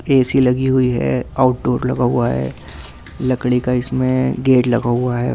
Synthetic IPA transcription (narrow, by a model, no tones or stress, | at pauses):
eːsilɐɡiɦʊiɦɛ̰aːʊʈ̚ɖoːɾlɐɡaɦuaɦɛ̰ː | lɐkɽikaɪsmẽɡeːʈlɐɡaɦuaɦɛ̰ː